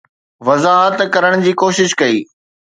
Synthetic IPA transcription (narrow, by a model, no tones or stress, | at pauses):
ʋɐzaːɦət̪kɐɾəɽ̃d͡ʑiːkoːʃɪʃkɐḭː